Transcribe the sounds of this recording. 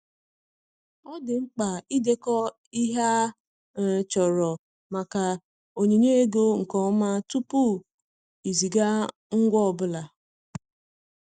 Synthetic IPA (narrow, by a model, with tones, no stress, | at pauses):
ɔ˦dɪ˨ŋ͡m̩˦k͡pa˨i˦de˦kɔ˦ | i˦ɦa˦˨ | t͡ʃɔ˨ɾɔ˨ | ma˨ka˨ | o˨ɲe˨ɲe˦e˦ɡo˦ŋ̩˨kɔ˨˦ma˦tu˦pu˦ | i˨zi˨ɡa˦ | ŋ̩˦ɡʷɔ˦ɔ˨bʊ˦la˨